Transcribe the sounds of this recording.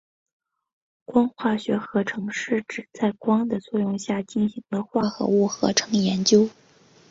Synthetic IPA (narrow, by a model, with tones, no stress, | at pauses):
kwɑ˥ŋxwa˥˩ɕɥɛ˧˥xɤ˧˥ʈ͡ʂʰɤ˧˥ŋʂɻ̩˥˩ʈ͡ʂɻ̩˨˩t͡sa˥˩ɪkwɑ˥ŋd̪ə˨t͡swɔ˥˧jʊ˥˧ŋɕja˥˩t͡ɕi˥˩nɕi˧˥ŋd̪ə˧xwa˥˩xɤ̰˧˥u˥˩xɤ̰˧˥ʈ͡ʂʰɤ˧˥ŋjɛ˧˥nt͡ɕjo˥ʊ